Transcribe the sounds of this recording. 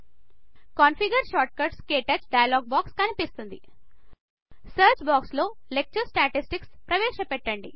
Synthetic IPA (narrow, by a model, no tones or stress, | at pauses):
kanfiɡɐɾʃaːʈ̚kɐɾʈskeːʈɐt͡ʃɖɐjɐlɔːɡ̚baːkskɐnipist̪und̪i | sɐːɾt͡ʃbaːkslo̞ːlek̚t͡ʃɐɾsʈaːʈisʈikspɾɐʋeːʃɐpɛʈːɐɳɖḭ